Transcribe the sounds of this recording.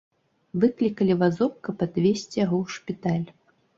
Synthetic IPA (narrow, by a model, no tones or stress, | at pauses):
vɨklʲikɐlʲivazɔp̚kɐpad̪̥vʲesʲt͡sʲijaɣɔwʂpʲit̪alʲ